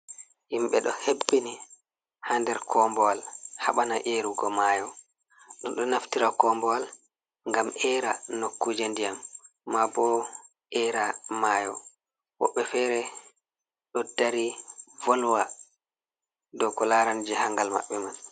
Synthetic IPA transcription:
himɓɛɗɔhebːini | handɛɾkʰɔːmbɔwalha̰ɓanaʔeɾuɡɔmaːjɔ | ɗɔnɗɔnaftiɾakɔːmbɔwal | ŋɡamɛːɾanokːud͡ʒendijamː | abɔ | ʔɛːɾamaːjɔ | wɔ̰ɓːɛfɛɾɛ | ɗɔd̥aɾivɔlwa | dɔkɔlaɾand͡ʒɛhaŋɡalma̰ɓːɛman

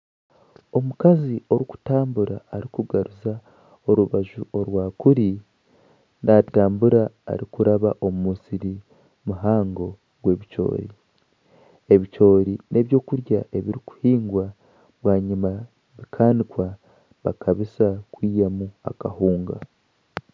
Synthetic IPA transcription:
o̞mukazio̞ɾiku̥taːmbuɾaːɾikuɡaɾuza | o̞ɾuβaʒuoɾwaːkuɾi | nataːmbuɾa̰ːɾikuɾaβaʔo̞mumusiɾi | muɦaːŋɡo̞ | ɡ̥we̞ːβit͡ʃo̞̰ːɾi | e̞βit͡ʃo̞ːɾinʔe̞βjo̞ːkuɾjaʔe̞βiɾiku̥hiːŋɡwa | βwaːɲima | βikʰaːnikwa | βakʰaβisakwiːjamua̰kahuːŋɡa̰

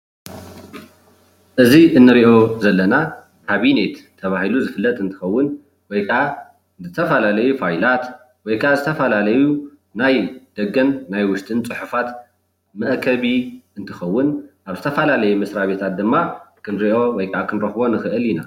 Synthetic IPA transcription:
ʔɨziʔɨnːɨɾiʔo̞zɐlːɐna | kʰaβine̞t̪t̪ʰːɐβahiluzɨfɨlːɐt̪ʼɨnt̪ʰɨ̥xɐwːʊn | wɔjkʰɐʔa | zɨt̪ʰɐfɐlalɐjufajlat̪ | wɔjkʰɐʔazɨt̪ʰɐfɐlalɐju | najd̪̥ɐɡɐnːajwʊʃt̪ʼɨnt͡sʼɨħufat̪ | mɐʔkʰɐβiʔɨnt̪ʰɨxɐwːʊnʔaβzɨt̪ʰɐfɐlalɐjumɐsɾaβe̞t̪ʰat̪̚d̪ɨmːakʰɨnɾiʔo̞wɔjkʰɐʔakʰɨnɾɐxbo̞nɨxɨʔɨljina

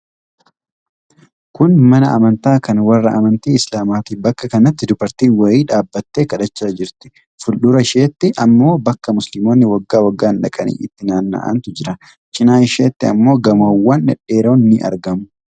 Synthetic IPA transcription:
kʊnmɐnɐʔɐmɐnt̪aːkɐnwɐrːɐ̰ʔɐmɐnt̪iːɪslaːmaːt̪ɪbɐkːɐkɐnɐt̪ːɪd̪ʊbɐɾt̪iːnwɐjiːᶑaːbːɐt̪ːeːkɐᶑɐt͡ʃːaːd͡ʒɪɾt̪ɪ̥ | fʊlɗʊɾɐɪʃeːt̪ːɪʔɐmːo̞ːbɐkːɐmʊslɪmo̞ːnːɪwɐɡːaːwɐɡːaːnᶑɐkʼɐnḭːɪt̪ːɪnaːnːa̰ːʔɐ̰nt̪ʊd͡ʒɪɾɐ | t͡ʃɪnaːɪʃeːt̪ːɪɐmːo̞ːɡɐmoːwːɐnɛᶑe̞ːɾoːnːɪʔɐ̰ɾɡɐmʊ

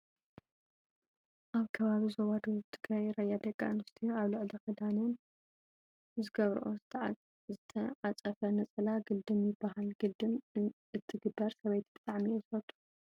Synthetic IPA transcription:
ʔaβkʰɐβaβizowad̪oɨt̪ʰɨɡɾajɾɐjad̪ɐkʼːaʔɨnd̪ust̪ʰijoaβlɨʕlikʰɨd̪anɨn | zɨɡɐβɾ̰ʔo | zɨt̪ʰɐʕat͡sʼɐfɐnɐt͡sʼɨlaɡɨd̪ɨmjɪbːahalɡɨd̪ɨm | ɨt̪ʰːɨɡɨbːɐɾsɐβɐjt̪ʰbɨt̪ʼaʕmiozfɐt̪ʰʼːu̥

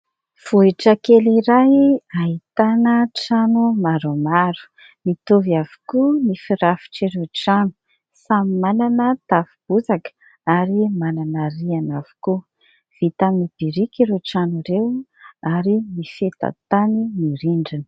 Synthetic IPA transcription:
v̥uiʈ͡ʂəkeliɾajaɦit̪anəʈ͡ʂanumaɾomaɾu̥ | mit̪ovav̥u̥kunifiɾafi̥ʈ͡ʂiɾeʈ͡ʂanu̥ | samimananət̪afib̥uzak | aɾimananaɾianavu̥ku | v̥it̪amib̥iɾikiɾeʈ͡ʂanuɾewaɾimifet̪a̰t̪animiɾiɳɖ͡ʐinə̥

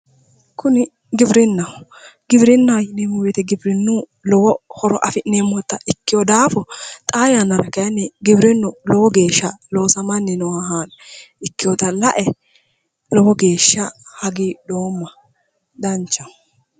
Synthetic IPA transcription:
kʊnɪ | ɡɪbɾɪnːɐwɡɪbɾɪnːɐwjɪneːmːɔweːt̪ɛɡɪbɾɪnːuː | lɔwɔhɔɾɔʔɐfɪneːmːɔt̪ːɐʔɪkːɪjɔd̪aːfɔt̪ʼaːjanɐɾɐkɐjɐnːɛɡɪbɾɪnːʊlɔwɔɡe̞ːʃːɐlo̞ːsɐmɐnːɪnɔwaɦaːnɪkːɪjɔt̪ɐlɐʔɛ | lɔwɔɡe̞ːʃːɐhɐɡiːd̪oːmːɐ | d̪ɐnt͡ʃːɐ

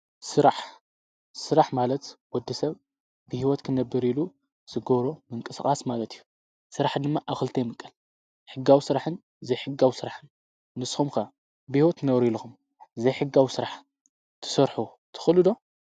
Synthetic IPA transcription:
sɨɾaħ | sɨɾaħmalɐt̪wɔd̪ːisɐβ | bɨhiwɔt̪kʰɨnɐbːɨɾilu | z̥ɨɡɐβɾomɨŋkʼɨsxʼasmalɐt̪ʰijːu | sɨɾaħd̪ɨmːaʔaβxɨlt̪ʰɐjmɨkʼːɐl | ħɨɡːawisɨɾaħɨn | zɐjħɨɡːawisɨɾaħɨnː | ɨsxumkɐ | bɨhiwɔt̪nɐwɾiluxum | zɐjħɨɡawisɨɾaħ | t̪ʰɨ̥sɐɾħu | t̪ʰɨ̥xɨlɨd̪o̞

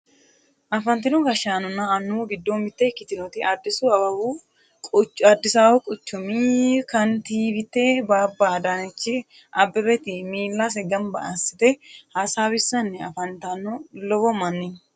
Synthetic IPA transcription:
ʔɐfɐnt̪ɪnʊɡɐʃaːnɔnːɐːnːuːɡɪd̪ːomɪt̪ːekɪt̪ɪnɔt̪ɪʔɐd̪ːɪsuɐbɐbu | kʼʊt͡ʃɐd̪ːɪsaːwʊkʼɔt͡ʃːʊmikɐnt̪iːbɪt̪ːeːbaːbːaːd̪anɛt͡ʃːɪ | ʔɐbːɛbɛt̪ɪmiːlːas̬ɛɡɐmbɐɐsːɪ̥t̪ɛhɐsaːbɪsːɐnːɛɐfɐnt̪ɐnɔlɔbɔmɐnːɪn

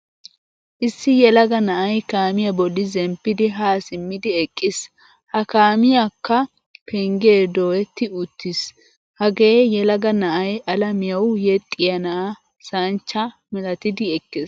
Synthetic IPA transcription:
ʔɪsːɪjɛlɐɡɐnɐʔɐjkaːmɪjɐbɔlːɪzɛmpːɪd̪ɪɦaːsɪmːɪd̪ɪɛkʼːɪs | hɐkaːmɪjakːɐ | pʰɛŋɡeːd̪oːwɛt̪ːɪʊt̪ːɪs | hɐɡeːjɛlɐɡɐnɐʔɐjɐlɐmɪjɐwjɛt̪ʼːɪjɐnɐʔa | sɐnt͡ʃːɐ | mɛlɐt̪ɪd̪ɪɛkʼːɪs

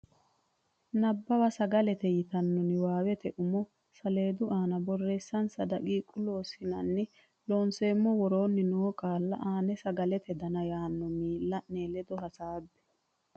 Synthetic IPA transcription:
nɐbːɐwɐsɐɡɐlɛt̪ɛjɪt̪ɐnːɔnɪwaːwɛt̪ɛʔʊmɔ | sɐle̞ːd̪ʊʔaːnɐbɔrːe̞ːsːɐnsɐd̪ɐɡiːkʼʊlo̞ːsɪnɐnːɪ | loːnse̞ːmːɔwɔɾo̞ːnːɪnoːkaːlːɐ̰ʔaːnɛsɐɡɐlɛt̪ʰɛd̪ɐnɐjaːnːɔmiːlːɐʔneːlɛd̪ɔɦɐsaːbːɛ̥

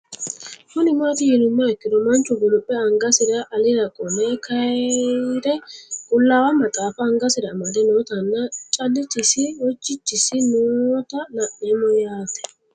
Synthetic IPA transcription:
kʊnɪmat̪ɪjɪnʊmːaɛkːɪɾɔmɐnt͡ʃːʊɡʊlʊpʼːɛɐŋɡɐsɪɾɐʔɐlɪɾɐkʼɔmɛkɐ | ɾɛkʼʊlːaːwɐmɐt̪ʼaːfɐːŋɡɐsɪɾɐmɐd̪ɛnoːt̪ɐnːɐt͡ʃʼɐdɪt͡ʃːɪsɪwɔt͡ʃːɪt͡ʃːɪsɪnoːt̪ɐnɐʔeːmɔjaːt̪ɛ̥

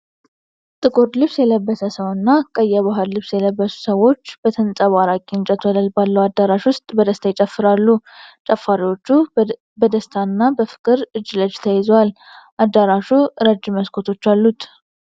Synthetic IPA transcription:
t̪ʼɨkʼoɾlɨβsjɛləbːəsəsəwnːakʼəjːaβaɦallɨβsjɛləbːəsu̥səwo̞t͡ʃːbət̪ʰənsʼaβaɾakʼint͡ʃʼət̪ʰwələlbalːəwad̪ːaɾaʃwʊst̪ʼbəd̪əst̪ʰajt͡ʃʼəfːɨɾalːut͡ʃʼəfːaɾiwo̞t͡ʃːu | bəd̪əst̪ʰanːabəfɨ̥kʼɨɾɨd͡ʒːləd͡ʒt̪ʰəjɛzowal | ʔad̪ːaɾaʃuɾəd͡ʒːməskʰo̞t̪ʰo̞t͡ʃːalːut̪

